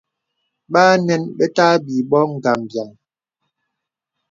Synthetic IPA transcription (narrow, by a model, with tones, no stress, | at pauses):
ɓaː˦nɛ˦nɓɛ˦ta˦bi˨ɓɔ˦ŋ̩˨ɡa˨mbja˨ŋ